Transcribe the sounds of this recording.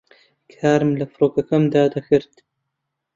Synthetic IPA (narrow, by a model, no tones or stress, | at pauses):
kʰaːɾmlɐfɾoːkɐkɐmd̪aːd̪ɐxɨɾt̪